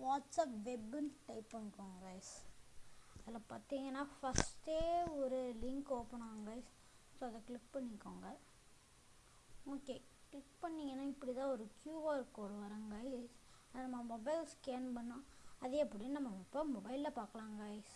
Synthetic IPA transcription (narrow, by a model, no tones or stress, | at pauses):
ʋaːʈsɐpʋɛbɐnʈɐɪpːɐnːkːõːŋɡaːɪs | ɐðɪlaːpaːɾt̪iːŋɡɐnːaːfɐsʈeːɔɾɯlɪŋkoːpːɐɳõːɐŋɡaːɪs | soːɐðɐkɭɪk̚pɐɳːɪkːõːŋɡɐ | oːkeː | klɪkpɐɳːɪŋɡɐnːaːɪpːɐɽit̪ãːɔɾɯkjuːʋaːɪɾɯkːoːɽʊ̃ʋɐɾãŋɡaːɪsɐðɐnɐmːɐmːɔbɐɪlskeːnpɐɳːʊ̃ɐðeːpːɐɽinɐmːɐmɔpːɐmɔbɐɪlːɐpaːɾkɐɭãːŋɡaɪs